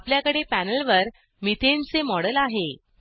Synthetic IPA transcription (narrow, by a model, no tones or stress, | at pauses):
apljakəɽepænəlʋəɾ | mit̪ʰent͡semɔɽəlaɦe